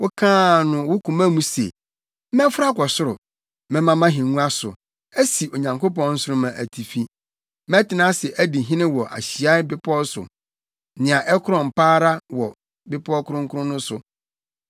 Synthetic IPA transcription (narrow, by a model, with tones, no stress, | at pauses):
wʊ˦kʰãː˦nʊ̃˨wʊ˦kʰũ˨mã˦mũ˦sḛ˨ | m̩˦mɛ̃˦fʊ˦ɾa˦kʷɔ˨sʊ˦ɾʊ˨ | mɛ̃˦mã˦mã˦ɦɪ̃˨ŋũ˦a˦sʊ̰˨ | æ˦si˨o˨ɲã˨ŋko˦pɔ̃˦nn̩˦sʊ˦ɾʊ˦mã˨ʔæ˨tʰi˨fi˦ | mɛ̃˦tʰɪ˨nã˦sɛ˨ʔæ˦di˨ɦɪ̃˦nɪ̃˦wɔ˨ʔa̰˨ɕi˨a˦ɪ˦bɪ˦pʰɔ˦sʊ̰˨ | nɪ̃˨a˨ʔɛ˦kʰʊ˦ɾɔ̃˨m˨pʰaː˦ɾa˦wɔ˨ | bɪ˦pʰɔ˦kʰʊ˦ɾʊ̃˦ŋ˦kʰʊ˦ɾʊ̃˦nʊ̃˦sʊ˨